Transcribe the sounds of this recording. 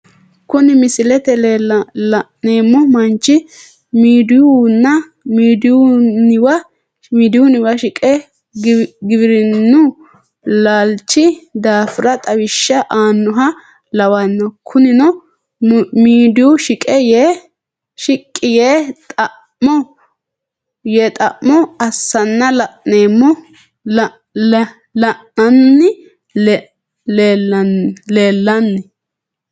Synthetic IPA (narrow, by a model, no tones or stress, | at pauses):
kʊnɪmɪsɪlɛt̪ɛllneːmːɔmɐnt͡ʃːɪ | miːd̪ɪjunːɐ | miːd̪jʊnɪwɐ | miːd̪ɪjʊnɪwɐʃɪkʼɛ | ɡɪβɪɾɪnːʊ | laːlt͡ʃːɪd̪aːfɪɾɐt̪ʼɐwɪʃːɐʔaːnːʊɦɐ | lɐwɐnːɔkʰʊnɪnɔ | miːd̪ɪwʊʃɪkʼɛje | ʃɪkʼːɪjeːt̪ʼɐ | mɔ | jɛt̪ʼɐʔmːɔɐsːɐnːɐlɐʔneːmːɔ | lɐʔɐnːɪ | leːlːɐnːɪ